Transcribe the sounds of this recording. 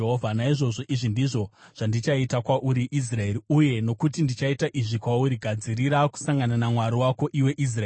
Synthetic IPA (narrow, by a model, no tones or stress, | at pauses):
ɦovʱanaiʐo̞ʐo̞ʔiʐindiʐo̞ʐ̥andit͡ʃaitakwaʔuɾiʔis̬rae̞ɾiuje̞no̞kutindit͡ʃaitaʔiʐikwauɾiɡʱad͡ziɾiɾaku̥saŋɡananamwaɾiwako̞ʔiwe̞ʔis̬raeː